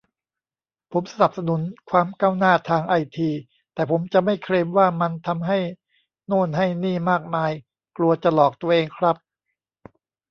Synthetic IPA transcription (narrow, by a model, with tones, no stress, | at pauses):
pʰo˩˦msa˧na˨˩p̚sa˧nu˩˦nkʰwaː˧mkaː˥˩wnaː˥˩t̪ʰaː˧ŋʔa˧jt̪ʰiː˧ | t̪ɛː˨˩pʰo˩˦mt͡ɕa˨˩ʔma˥˩jkʰɾeː˧mwaː˥˩ma˧nt̪ʰa˧mɦa˥˩j | noː˥˩nɦa˥˩jniː˥˩maː˥˩k̚maː˧j | klu˧ɐt͡ɕa˨˩lɔː˨˩k̚t̪u˧ɐʔeː˧ŋkʰɾa˦˥p̚